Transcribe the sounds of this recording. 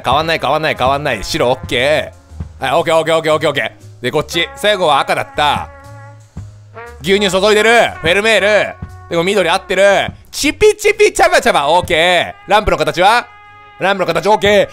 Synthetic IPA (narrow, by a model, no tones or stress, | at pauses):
kaβãnːaikaβãnːaikaβãnːaḭɕiɾo̞ːkːeː | ao̞ːkeːo̞ːk̬eːo̞ːk̬eːoːkeo̞ːke̞̰ːd̪eko̞t͡ɕːisaiɡo̞βaːkad̪a̰t̪ːa̰ | ɡʲɨːɲis̬o̞so̞id̪e̞ɾɯ̟ɸe̞ɾɯ̟me̞ːɾɯ̟d̪̥e̞mo̞mʲid̪o̞ɾʲiat̪ːe̞ɾɯ̟ | t͡ɕipʲːit͡ɕipʲːit͡ɕabat͡ɕabao̞ːkeːɾãmpɯ̟nokat̪at͡ɕiβa | ɾãmpɯ̟nokat̪at͡ɕiao̞ːkeː